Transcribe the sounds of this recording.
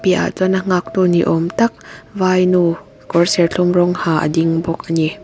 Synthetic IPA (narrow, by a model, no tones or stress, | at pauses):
piʔa̰ʔt͡sɔnaŋak̚t̪uniʔɔmt̪ɐk̚vaːjnu | kɔɹsɛrɬʰumrɔŋhaːʔə̰diŋbɔk̚ʔəni